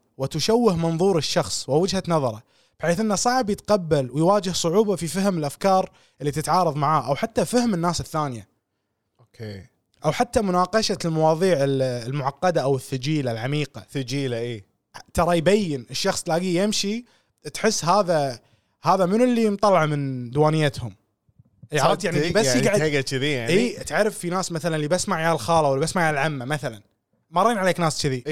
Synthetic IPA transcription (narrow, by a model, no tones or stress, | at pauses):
wɪt̪ʊʃawːɪhmɑnðˤuːɾɪʃːɑxsˤwɪwɪd͡ʒhanɑðˤɑɾˤɑ̰ | b̥ħeːθʔɪnːasˤɑʕbjɪt̪qɑbːalwɪjwaːd͡ʒɪhsˤʊʕuːbafifaɦmɪlʔafkɑːɾˤ | ʔɪlːit̪ɪt̪ʕɑːɾˤɑðˤmaʕaːʔawħat̪ːafahmɪnːaːsɪθːaːnɪja | okʰe | ʔawħat̪ːamʊnaːqɑʃalmɑwɑːðˤiːʕɪllmʊʕɑqːɑd̪aʔawɪθːʊd͡ʒiːlalʕamiːqa̰θd͡ʒiːlaʔeː | t̪ɑɾˤɑjbajːɪnɪʃːɑxsˤlaːɡijɪmʃi | t̪ħɪsːɦaːða | haːðamɪnɪlːijmt̪ˤɑlːɑʕmɪnd̪waːnɪjːat̪hʊm | ʔʕɑɾˤɑt̪jaʕnibasiɡaʕdɡat͡ʃɪðijaʕʔiːʔat̪ʕaɾˤɑfːinaːsmaθalanlibasmaʕjaːlxɑːlawɪlːibasmaʕjaːlʕamːamaθalan | mɑɾˤeːnʕaleːknaːst͡ʃɪði